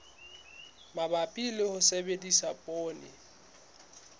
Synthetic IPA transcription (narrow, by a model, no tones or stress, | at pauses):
mabapʼilɪhʊsebedisapʼoːnɪ